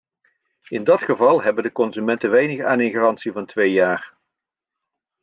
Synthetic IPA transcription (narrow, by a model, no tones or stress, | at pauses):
ɪndɑtχəvɑlˠɦɛbəndəkɔnzymɛntənʋɛjnəχaːnɪnχarɑntsivɑntʋejjaːr